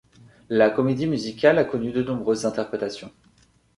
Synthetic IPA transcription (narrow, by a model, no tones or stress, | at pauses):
lakɔmed̪imyzikʲalakɔnyd̪ənɔ̃bʁøzːɛ̃t̪ɛʁpχet̪asjɔ̃